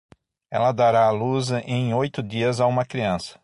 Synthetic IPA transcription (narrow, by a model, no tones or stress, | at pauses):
ɛ̰lɐd̪aɾaːluzẽj̃ojt̪ʊd̪iɐzaũmɐkɾiɐ̃sɐ̥